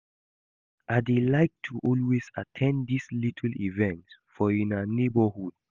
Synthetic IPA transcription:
ʔaɪdelaɪk̚tʰuʔɔlweza̰tʰɛ̃ndislitʰəl̩ivɛ̃ntfɔĩnanebəhud̥

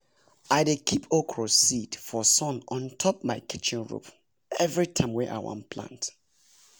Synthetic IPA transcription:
aɪdekʰipʰokʰɹɔsidfɔsɔ̃nɔ̃ntʰɔp̚maɪkit͡ʃɪ̃nɹṵp | ɛvɹitʰãɪ̃mwɛʔa̰ɪwã̰mpʰlã̰nt

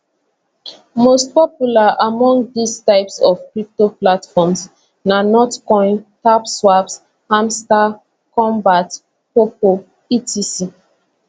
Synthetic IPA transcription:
most̚pɔpjulaʔamɔ̃ŋɡdistaɪpsɔfkɹip̚toplatfɔms | nanɔtkɔ̃ɪ̃ntapswaps | hãmsta | kɔ̃mbat | popo | itʰisi

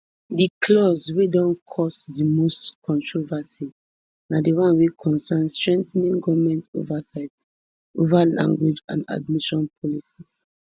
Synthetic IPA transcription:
dikʰlɔswedɔ̃nkʰɔsdimostkʰɔ̃ntʰɹovasi | nadiwãnwekʰɔ̃nsanstɹɛ̃ntɛnĩŋɡɔvmɛ̃nto̰vasaɪt | ovalã̰ŋɡwid͡ʒã̰na̰dmiʃɔ̃npʰɔlisis

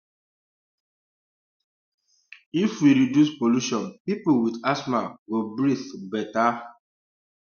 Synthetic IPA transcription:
ifwiɾidjuspoluʃɔ̃npipulwidasmaɡobɾiθbɛta

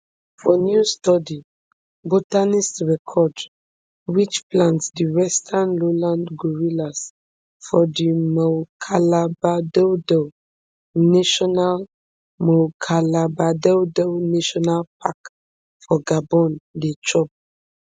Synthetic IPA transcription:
fɔnjustɔdi | botanistɹɛkʰɔd | wit͡ʃplãntsdiwɛstʰãnlolãndɡuɹilas | fɔdimɔkʰalabadɛdɔ | naʃɔnal | mɔkʰalabadɛdɛnaʃɔnalpʰak | fɔɡabɔ̃ndet͡ʃʰɔp̚

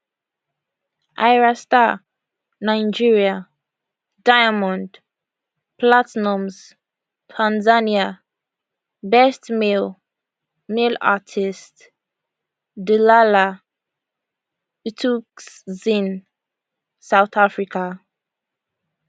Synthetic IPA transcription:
ʔajɹasta | naɪd͡ʒiɹia | dajamɔ̃nd | platnɔmz | tʰãnzania | bɛstmel | mela̰tʰist | dilala | itʰukszĩn | sawt̪afɹikʰa

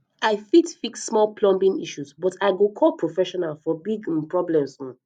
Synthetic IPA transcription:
aɪfitfiksːmɔlpʰlɔ̃mbĩŋiʃuzbɔtaɪɡokʰɔlpʰɹofɛʃɔnalfɔbiɡpɹɔblɛ̃msɔ̃

